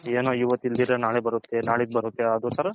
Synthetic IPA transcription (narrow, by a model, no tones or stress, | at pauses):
eːnoːiʋɐt̪ːild̪iɾenaːɭebɐɾut̪ːenaːɭid̪̚bɐɾut̪ːeɐd̪usɐɾɐ